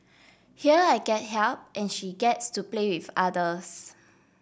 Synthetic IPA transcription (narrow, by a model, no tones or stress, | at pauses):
hiəaɪɡɛt̚ɦɛlp̚ʔɛ̃nʃiɡɛtstuplewifadəs